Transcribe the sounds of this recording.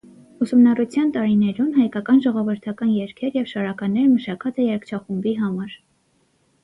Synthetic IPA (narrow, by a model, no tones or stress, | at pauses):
usumnɑrut͡sʰjɑnt̪ɑɾinɛɾunɦɑjkɑkɑnʒɔʁɔvəɾt̪ʰɑkɑnjɛɾkʰɛɾjɛvʃɑɾɑkɑnːɛɾməʃɑkʰɑt͡sɛjɛɾkʰt͡ʃʰɑχumbiɦɑmɑɾ